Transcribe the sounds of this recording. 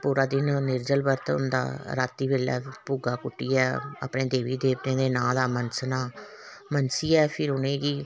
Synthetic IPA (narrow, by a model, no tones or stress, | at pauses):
puːɾaːd̪ɪnnɪɾd͡ʒəlbəɾt̪ʊ̰nd̪a̰ːɾaːt̪ːiːʋeːlɛ̰ːpuːɡaːkʊʈːiːɛːə̰ːpnẽːd̪eːʋiːd̪eːʋtẽːd̪eːnãːd̪aːmənsnaː | mənsiːɛːpʰɪɾʊnẽːɡiː